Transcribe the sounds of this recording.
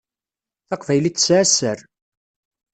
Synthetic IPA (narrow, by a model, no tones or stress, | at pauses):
θɑqvæjlit͡sːsʕasəɾ